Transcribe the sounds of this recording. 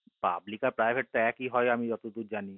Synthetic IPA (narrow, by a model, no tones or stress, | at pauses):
pa̰blikaɾpɾaɪbʱeʈ̚t̪oɛkiɦɔjamĩɾɔt̪ud̪ud͡ʒaːni